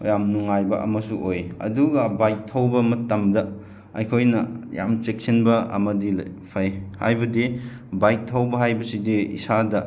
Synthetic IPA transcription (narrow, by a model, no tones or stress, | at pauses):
jamnuŋajbɐ̰ʔɐ̰mɐsuʔojɐ̰duɡɐbajk̚tʰːɐwbɐmɐtːɐmdɐ | ɐjkʰojnɐja̰mt͡ʃek̚sinbɐɐ̰mɐdilpʰajha̰jbɐdi | bajk̚tʰːɐwbɐɦajbɐsidiḭsadɐ